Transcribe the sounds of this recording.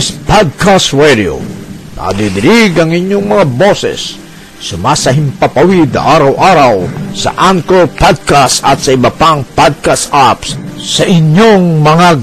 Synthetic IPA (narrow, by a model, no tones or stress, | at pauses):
spad̪̚kast̪ɹɛd̪io̰ | nɐ̰d̪id̪ɪɾiɡɐŋɪɲjoŋmɐŋabosɛ̰sː | ʊmasɐɦɪmpapawid̪̚nɐ̰ʔaɾawʔaɾawsɐ̰ʔaŋkopad̪̚kasɐt̪sɐɪbɐpaŋpad̪̚kasʔapssɐʔɪɲjoŋmɐŋa